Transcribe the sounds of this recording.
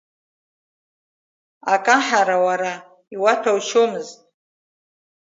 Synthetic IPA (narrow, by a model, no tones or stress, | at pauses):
akʼaħaɾawaɾa | iwatʰawʃʰomɨztʼ